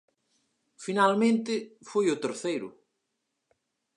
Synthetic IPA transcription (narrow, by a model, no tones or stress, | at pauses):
finalmẽnt̪ɪfujʊt̪eɾθejɾʊ̰